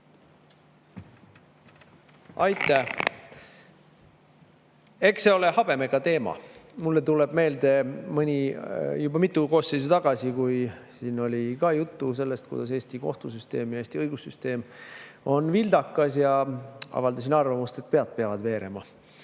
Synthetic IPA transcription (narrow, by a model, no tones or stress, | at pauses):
ɑjt̪ːˑæ | e̞kse̞o̞lehɑb̥e̞me̞ɡ̥ɑt̪e̞ːmɑ̰mulːe̞t̪ule̞b̥me̞ːld̪̥e̞mɯnʲijubɑmit̪ːˑuko̞ːsːejs̬et̪ɑɡ̥ɑsikujsiːno̞lʲikɑːjut̪ːuse̞lːest̪kṵd̪ɑs̬e̞ːst̪iko̞̰ht̪usyst̪e̞ːmjɑeːst̪iɤjɡusːyst̪e̞ːmo̞nːvild̪ɑkˑːɑsjɑɑ̰vɑld̪ɑs̬inɑrvɑmust̪e̞t̪̚ːpe̞ɑt̪̚peɑvɑd̪̥ve̞ːɾe̞̰mɑ̰